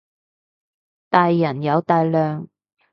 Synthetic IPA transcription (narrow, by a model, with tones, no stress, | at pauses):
t̪aː˨˧jːɐ˨˩njɐ˨˧wt̪aː˨˧jlœː˨ŋ